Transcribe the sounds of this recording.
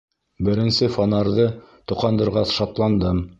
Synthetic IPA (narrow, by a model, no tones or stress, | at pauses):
bɘ̆ɾɘ̆nsɘfonɑɾðɤt̪ŏqɑnd̪ɤ̆ɾʁɑsʃɑt̪lˠɑnd̪ɤm